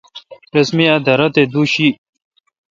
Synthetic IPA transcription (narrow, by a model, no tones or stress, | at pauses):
ɾɐsmiɐd̪ɐɾɐt̪ed̪uɕi